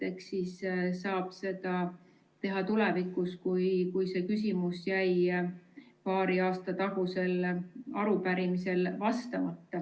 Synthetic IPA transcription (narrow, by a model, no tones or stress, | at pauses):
e̞ksissɑːb̥se̞d̪ɑ | t̪e̞ɦɑt̪ulevikːˑuskujkujse̞ːkysʲimusjæj | pɑːɾiɑːst̪ɑt̪ɑɦuse̞lɑɾupæɾimise̞lvɑst̪ɑmɑt̪ːɑ